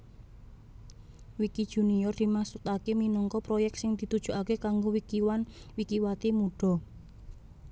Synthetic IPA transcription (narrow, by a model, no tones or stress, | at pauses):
wikid̥ʒ̥ṳniɔrd̪̥i̤masut̪akeminɔŋkɔpɾojɛk̚t̪sɪŋd̪̥i̤t̪ud̥ʒ̥ṳʔakekaŋɡowikiwanwikiwat̪imuɖ̥ɔ̤